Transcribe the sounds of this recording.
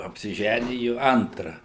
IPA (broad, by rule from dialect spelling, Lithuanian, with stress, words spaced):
ɐpʲsʲɪˈʒʲænʲɪjʊ ˈɐntrɐ